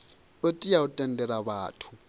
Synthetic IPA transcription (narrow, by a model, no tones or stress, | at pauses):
otʼiaʊtʼɛn̩dʼɛlaβaːtʰu̥